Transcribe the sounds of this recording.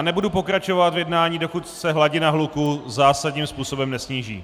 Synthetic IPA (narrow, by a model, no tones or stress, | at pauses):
nɛbudupo̞kɾat͡ʃo̞vat̪vjɛdnaːɲiːdo̞kut̪sɛɦlaɟɪnaɦlukuzaːsadɲiːmspuːso̞bɛmnɛsɲiːʒḭː